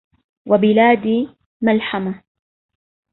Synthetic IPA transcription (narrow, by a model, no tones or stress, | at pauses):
wabɪlaːd̪iː | malħama